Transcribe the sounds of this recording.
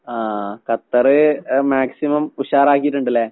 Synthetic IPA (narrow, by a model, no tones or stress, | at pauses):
aːkɐt̪ːɐrɨmaːksimɐmuɕaːɾaːk̬ːijiʈ̬ːuɳɖɐlːeː